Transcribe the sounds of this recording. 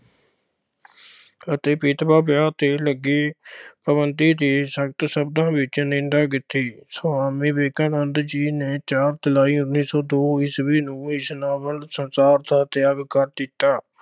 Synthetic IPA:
ət̪eːpɪt̪baːbjaːt̪eːləɡeːpəbənd̪iːd̪eːsək̚t̪səb̚d̪ãːbɪt͡ʃnẽːnd̪aːkɪt̪ːiːsoaːmĩːbeːkãːnənd̪d͡ʒiːneːt͡ʃaːɾt̪əlaːiːʊnːiːsɔːd̪oːɪsbiːnũːɪsnaːʋənsənsaːɾd̪aːt̪ɪaːbkəɾd̪ɪt̪ːaː

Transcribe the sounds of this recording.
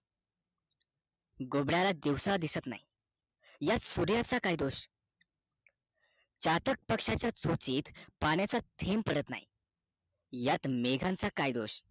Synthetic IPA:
ɡobɽjalad̪iwsaad̪isət̪na̰i | jat̪suɾjat͡sakaid̪oɕ | t͡ɕat̪ək̚pəkʂat͡ɕjat͡sot͡siːt̪paɽ̃jat͡sat̪ʰempəɽət̪na̰ḭ | jat̪meɡʱãnt͡sakajd̪oɕ

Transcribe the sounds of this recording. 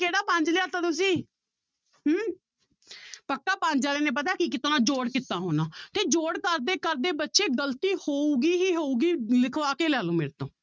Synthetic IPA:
keːɽaːpãːɲd͡ʒlɪaːt̪aːt̪ʊs̬ĩː | ɦ | pəkːaːpãːɲd͡ʒaːleːneːp̬ət̪̬aːkikɪt̪oːnãːd͡ʒoːɽkɪt̪ːãːɦoːnãːt̪eːd͡ʒoːɽkəɾd̪eːkəɾd̪eːbətːʃeːɡəlt̪iːhoːuːɡiːɦiːɦoːuːɡiːlɪkʰʋaːkeːlɛːlõːmeːɾt̪õː

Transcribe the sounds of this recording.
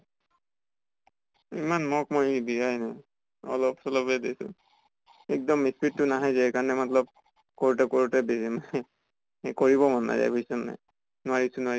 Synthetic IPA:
imanmɔk̚mojdijajnaj | ɔ̰lɔpsɔlɔpɛdesʊ̰̃ | ɛk̚dɔmːispʰitːunaɦajzɛkaɹnɛmɔtlɔb̚ | koɹutɛkoɹutɛbem | koɹiβɔmɔnna̰za̰jboisɔnːa̰j | nʊaɹisũnʊaɹi

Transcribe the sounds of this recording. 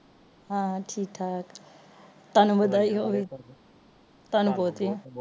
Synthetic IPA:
ɦãʈʰiːk̚ʈʰaːk | t̪ənbəd̪aiɦoʋi | t̪ɐnpoːt̪i

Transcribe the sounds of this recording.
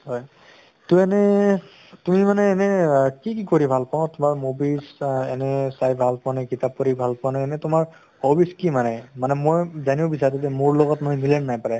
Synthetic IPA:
hɔj | tuɛnɛ | tumimanɛːnɛkikikoɹibʱalpãtʊmaɹmobisɛnɛsajbʱalpɔanajkitap̚koɹibʱalpanaɛnɛtʊmaɹ | hobiskimanɛmanɛmojzaniʊbisaɹtatɛmʊɹlɔɡɔtmɔjmilɛnnajpaɹɛ

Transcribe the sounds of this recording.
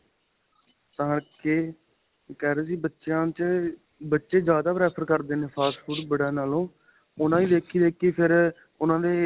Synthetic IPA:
t̪ãːkeː | kɛːɾeːsiːbətːʃãːt͡ʃ | bətːʃeːd͡ʒjaːd̪aːbɾɛːpʰəɾkəɾd̪eːnẽːpʰaːspʰuːɖbəɽãːnaːlõː | ʊnãːiːd̪eːkʰiːd̪eːkɪpʰɪɾ | ʊnãːd̪eː

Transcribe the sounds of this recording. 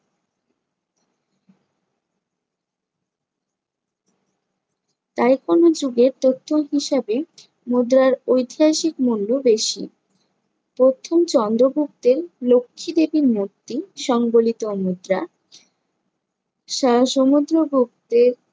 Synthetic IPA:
t̪ajkonod͡ʑuɡeɾt̪ot̪ʰːoɦiʃabe | mud̪ɾaɾojt̪ʰiɦaʃikmulːobeʃḭ | pɾot̪ʰomt͡ɕɔnd̪ɾobʱuk̚t̪eɾlokʰːid̪ebiɾmot̪ːiʃɔŋbolit̪omud̪ɾa | ʃaʃomud̪ɾobʱuk̚t̪eɾ

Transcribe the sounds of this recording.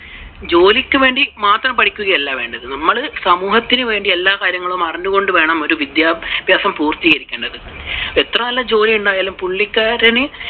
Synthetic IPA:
d͡ʑo̞ːlikʲːɨʋe̞ːɳɖimaːt̪rɐmpɐʈʰikʲːuɣɐjelːaːʋe̞ːɳɖɐðɨnɐmːɐɭsɐmuːhɐt̪ːinɨʋe̞ːɳɖie̞lːaːkaːɾjɐŋːɐɭumɐrɐɲːuɣo̞ɳɖɨʋe̞ːɳɐmo̞ɾuʋid̪jaːbʱjaːsɐmpuːrt̪iːɣɐɾikʲːeːɳɖɐðɨ | et̪rɐmɐlːɐd͡ʑo̞ːlijuɳɖaːjaːlumpuɭːikʲːaːɾɐnɨ

